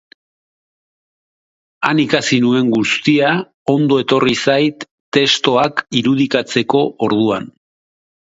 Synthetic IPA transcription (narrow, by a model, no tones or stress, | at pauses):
anikasinue̞ŋɡust̪ia | o̞nd̪oe̞t̪o̞risajt̪ːe̞st̪o̞akiɾuð̞ikat͡se̞ko̞ʔoɾðua̰n